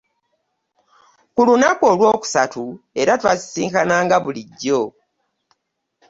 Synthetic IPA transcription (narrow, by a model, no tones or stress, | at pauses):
kulunako̞lwo̞ːku̥satu | e̞ɾatwazi̥siːŋkanaːŋɡaβuliɟːo̞